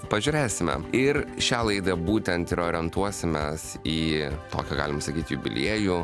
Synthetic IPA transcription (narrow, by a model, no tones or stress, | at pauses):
pɐʒʲʊːɾʲeːsʲɪmʲɛ̰ɪɾʃʲæːlˠɐɪd̪ɐbuːt̪ʲɛnt̪ɪɾoːɾʲɪɛnt̪uɔsʲɪmʲɛs | iːt̪o̰ːkʲoɡɑːlʲɪmɐsɐkʲiːt̪ʲjubʲɪ̰lʲiɛjuː